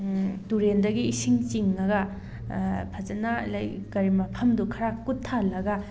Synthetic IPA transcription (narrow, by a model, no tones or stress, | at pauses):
tuɾendɐɡiːsiŋt͡ʃiŋːɐɡɐ | pʰɐzɐnalɐjɡ̥ɐɾimɐpʰɐmdukʰɐɾakutʰːalɐɡɐ